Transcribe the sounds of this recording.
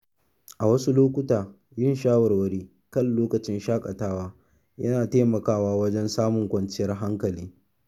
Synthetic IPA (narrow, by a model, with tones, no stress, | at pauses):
ʔa˨wɐ˦su˦loː˦kʷʊ˦taː˨ | jɪ˦˨nʃaː˦wɐ˨rwɐ˦ɽiː˦ | kɐ˦˨nloː˦kɐ˨t͡ʃɪ˦nʃaː˦kʼɐ˨taː˦waː˦ | jɐ˦naː˨teː˦mɐ˨kaː˦waː˦wɐ˦d͡ʒɛ˦nsaː˦mʊ˨ŋkʷɐ˨nt͡ʃɪ˦jɐ˦rɦa˦ŋkɐ˨liː˦